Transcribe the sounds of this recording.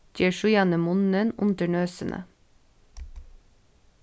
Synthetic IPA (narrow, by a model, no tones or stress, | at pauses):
təʃʊjɑnəmʊnənʊ̰nd̪əɳøːsənʔə̰